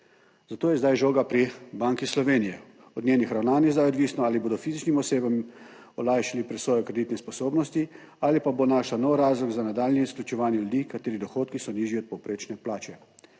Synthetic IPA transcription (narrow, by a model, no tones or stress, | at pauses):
zat̪oːjɛzd̪ajʒoːɡapɾibaːŋkislɔʋeːnijɛ | ɔd̪njeːnixɾawnaːnjɛzd̪ajɔd̪ʋiːsnɔaliboːd̪ɔfiːzit͡ʃnimɔseːbam | ɔlaːjʃalipɾɛsʋɔːjɔkɾed̪it̪nɛspɔsoːbnɔst̪i | aːlipabonaːʃlanɔwɾaːzlɔɡzanad̪aːlniisklʲut͡ʃɛʋaːnjɛlud̪iːkat̪eːɾid̪ɔxoːt̪kisɔniːʒiɔt̪̚pɔwpɾeːt͡ʃnɛplaːt͡ʃɛ